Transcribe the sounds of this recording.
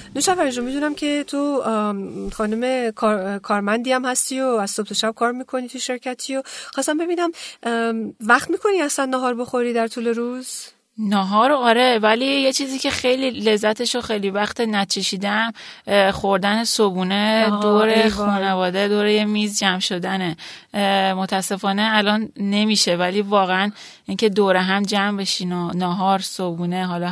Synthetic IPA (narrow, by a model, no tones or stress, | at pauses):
noʃævæʒomid̪uːnæmcʰe̞t̪ʰo | xɒːnume̞kʰɒɾkʰɒːɾmænd̪iːæmhæst̪iːjoæz̥sob̚t̪ʰoʃæb̥̚kʰɒːɾmiːkʰo̞nit̪ʰuʃe̞ɾcʰæt̪ʰijoxɒst̪æmbe̞biːnæm | væχt̪miːkʰo̞niæslænːɒɦɒːɾbo̞xo̞ɾiːd̪æɾt̪ʰuːle̞ɾuːz̥ | nɒɦɒːɾoɒːɾevælijet͡ʃʰiːziːcʰe̞xejlile̞zːæt̪ʰe̞ʃoxejlivæxt̪ʰenæt͡ʃʰe̞ʃiːd̪emxoɾd̪ænesobuːne̞d̪oɾexuːnevɒːd̪ed̪oːɾejemiːzd͡ʒæmʃo̞d̪æne | mot̪ʰæsːe̞fɒːne̞ælɒːnːe̞miːʃe̞væliːvɒːɣeæn | iːŋce̞d̪oːɾeɦæmd͡ʒæmbe̞ʃinonɒːɦɒːɾsobuːne̞ɦɒlɒ